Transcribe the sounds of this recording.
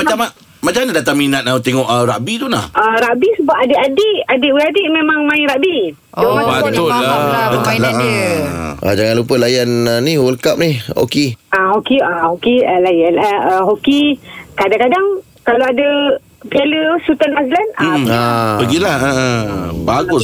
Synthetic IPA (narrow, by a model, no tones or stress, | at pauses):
mat͡ʃama | mat͡ʃamnidat̪aŋminat̪̚naut̪eŋɔʔəɾaʔbit̪unahəɾaʔbisəbaʔadeʔadiʔadiʔwiadiʔmẽmãŋmãĩɾaʔbi | domãbəʊadəkala | ʔa̰d͡ʒaŋanlupəlajanəniwəlkap̚niho̰kiaɦokiahokiəlajanaʔəɦokikadaŋkadaŋ | kaloadə | pialəsut̪anaslanapəɡilahə | baɡʊs